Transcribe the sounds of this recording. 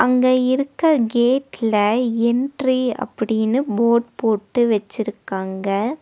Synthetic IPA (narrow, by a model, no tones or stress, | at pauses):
ʔɐŋɡɐɪɾɯkːɐɡeːʈlɐɛnɖriɐ̰pːɐɽɪnːɯboːʈpoːʈːɯʋɐt͡ʃːɪɾɯkːaːŋɡɐ